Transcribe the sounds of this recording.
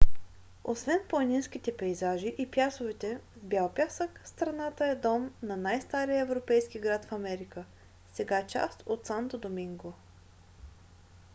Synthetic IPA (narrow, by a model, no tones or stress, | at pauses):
osvɛnplˠɐninsk̟it̪ɛpɛjzaʒiʔipjasovɛt̪ɛvbʲjalˠpjasəkst̪ɾɐnat̪əɛd̪ɔmnɐnajst̪aɾijəɛvɾopɛjskiɡɾat̪fɐmɛɾikə | sɛɡat͡ʃa̰st̪ot̪sant̪od̪omiŋɡo